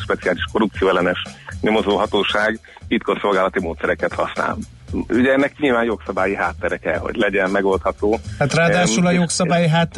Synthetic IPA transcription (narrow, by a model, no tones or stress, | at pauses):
ʃpɛt̪sijaːliʃko̞ɾup̚tsijoːɛlɛnɛʃɲomo̞zoːɦɒt̪oːʃaːɡ | bit̪kolso̞lɡaːlɒt̪imoːt̪sɛɾɛkɛt̪hɒsna̰ːl | yɟɛɛnːɛkɲilvaːnjo̞ksɒbaːjiɦaːt̪ːɛɾɛkɛho̞̰ɟlɛɟɛmmɛɡo̞lt̪hɒt̪oːhat̪raːd̪aːʃulɒjoksɒbaːjiɦaːt̪ː